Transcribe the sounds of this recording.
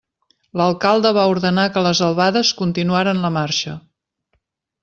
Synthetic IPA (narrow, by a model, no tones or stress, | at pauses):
ləlˠkalˠd̪əβ̞auɾðənakələzəlˠβaðəskunt̪inuaɾənləmarʃə